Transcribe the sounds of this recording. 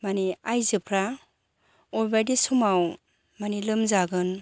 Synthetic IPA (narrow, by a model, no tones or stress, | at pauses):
maniajzɯpʰɾa | ɔjbajdesumaw | manilɯmzaɡɯn